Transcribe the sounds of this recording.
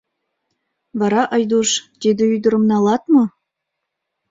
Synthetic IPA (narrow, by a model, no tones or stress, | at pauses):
βɑɾɑʔɤjd̪uʃt̪ed̪ĕyd̪ə̆ɾɤ̆mnɑlˠɑt̪mɤ̆